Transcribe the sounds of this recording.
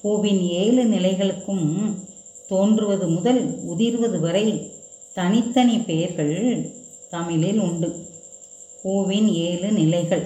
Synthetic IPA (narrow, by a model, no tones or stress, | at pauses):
puːʋɪneːlɯnɪlɐɪɣɐɭɯkːɯm | t̪oːndrɯʋɐðɯmʊðɐlʊðɪɾʋɐðɯʋɐɾɐɪt̪ɐnɪt̪ːɐnipeːɾɣɐɭ | t̪ɐmɪlɪlʊɳɖɯ | kuːʋɪneːlɯnɪlɐɪɣɐɭ